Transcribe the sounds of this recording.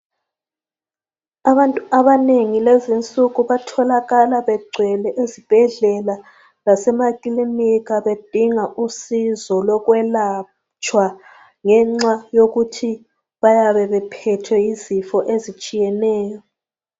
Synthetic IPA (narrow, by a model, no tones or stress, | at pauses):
aβantʼuaβaneŋilezint͡sʼuɣuβatʰɔlaɣalaβɛɡ͡ǀʱwɛlɛʔezib̥ʱɛɮɛla | lasɛmakʼiliniɣaβed̥ʱiŋaʔusizɔlɔɣwɛla | t͡ʃʼwa | ŋɛŋ͡ǀwajoɣutʰi | βajaβɛβɛpʰɛtʰwɛjizifɔʔezit͡ʃʼijɛnɛːjɔ